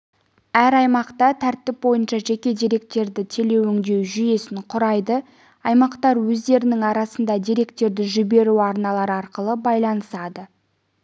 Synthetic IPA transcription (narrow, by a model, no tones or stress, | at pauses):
æɾɑjmɑqt̪ɑt̪ʰæɾt̪ːɪp̚bo̞jənʃɑʒe̞kʲe̞d̪ijɾe̞k̚t̪e̞ɾd̪ɪt̪ʰe̞le̞wʏŋd̪e̞wʒʏje̞sɪɴqʰʊɾɑjd̪ə | ɑjmɑqt̪ɑɾwɵzd̪e̞ɾɪnɪŋɑɾɑsən̪d̪ɑd̪iɾe̞kt̪e̞ɾd̪ɪʒʏbe̞ɾuɑɾnɑlˠɑɾəɑɾqəlˠəbɑjlˠɑnəsɑd̪ə